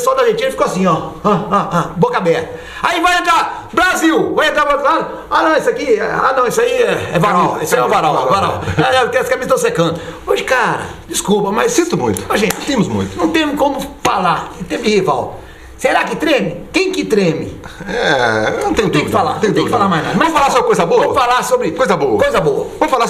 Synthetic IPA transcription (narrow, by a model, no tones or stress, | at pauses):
sɔd̪ɐʒet͡ʃĩnɐfi̥koasĩɔɐ̃aabokabɛɾt̪ɐ | aivajãt̪ɾa | bɾaziwvãjẽt̪ɾapɾot̪lad̪ʊ | anɐ̃w̃isakiɛ̰a̰nɐ̃w̃isaiɛɛvaɾãisɛ̃vaɾãwvaɾãaɛt̪eskamizt̪ɐ̃w̃sekɐ̃nd̪ʊoʒɪkaɾɐ̰d͡ʒiskupɐmɐjssĩt̪ʊmṵ̃j̃t̪ʊ̥oʒẽt͡ʃñt̪ẽmʊzmṵ̃j̃t̪ʊ̥nɐ̃w̃t̪ẽmʊkõmʊfalaɾẽt̪ẽmd͡ʒɪhiva̰w | seɾakɪt̪ɾẽmɪkẽj̃kɪt̪ɾẽmɪ̰ɛnɐ̃w̃t̪ẽj̃ʊt̪ẽj̃ukɪfala̰ɾt̪ẽj̃t̪eudkɪfalaɾmajzna̰d̪ɐmɐ̃mzfalaɾsobɾɪkojzɐboɐ̃vfalaɾsobɾɪkojzɐboɐkojzɐboɐ̰vɐ̃mʊfala